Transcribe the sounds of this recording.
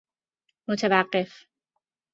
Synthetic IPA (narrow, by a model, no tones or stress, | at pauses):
mot̪ʰevæɢːef